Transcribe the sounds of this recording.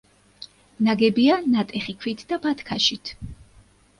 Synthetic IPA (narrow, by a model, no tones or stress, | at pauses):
naɡɛbianat̪ʼɛχikʰwit̪ʰd̪abat̪ʰkʰaʃit̪ʰ